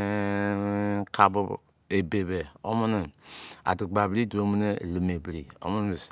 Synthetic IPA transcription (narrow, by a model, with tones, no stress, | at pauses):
kʰa˨bu˦ | e˨be˨be˨o̰˦mu˦ni˨a̰˨du˨ɡ͡ba˨bɾi˦du˨˦o˦mu˦ne˦˨li˨me˨bɾi˨o̰˦mu˦n˦˨s